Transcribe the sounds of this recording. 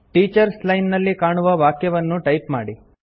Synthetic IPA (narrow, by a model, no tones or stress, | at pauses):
ʈiːt͡ʃɐɾslɐjnnɐlːikaːɳuʋɐʋaːkjɐʋɐnːuʈɐjpma̰ːɽi